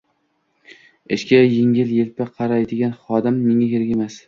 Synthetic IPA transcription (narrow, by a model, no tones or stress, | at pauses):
ɪʃkʲajɪŋʲɪljelpɪqʰɑɾajd̪ɪɡʲanχɒd̪amːɪŋakʲeɾɡʲemas